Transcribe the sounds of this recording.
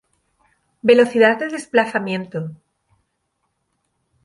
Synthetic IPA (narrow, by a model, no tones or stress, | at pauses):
be̞lo̞θiðaððeðe̞splaθamjẽ̞nt̪o